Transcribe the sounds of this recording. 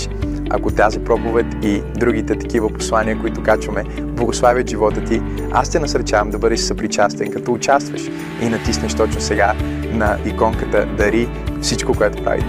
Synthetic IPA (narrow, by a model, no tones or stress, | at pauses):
ɐ̰kot̪azipɾɔpovɛt̪id̪ɾuɡ̟it̪ɛt̪ɐ̥k̟ivəpo̥slˠaniəkoit̪ʊkat͡ʃvɐmɛ | blˠɐɡoslˠavʲət̪ʒivɔt̪ət̪i | a̰st̪ɛnɐsɐɾt͡ʃavəmd̪ɐbɤd̪ɛʃsɐpɾit͡ʃast̪ɛnkɐt̪ɔʊt͡ʃast̪vəʃ | inɐt̪isnɛʃt̪ɔt͡ʃnʊsɛɡa | nɐikɔŋkət̪ə̰d̪ɐɾi | fsit͡ʃkokoɛt̪ʊ̥pɾa̰vḭ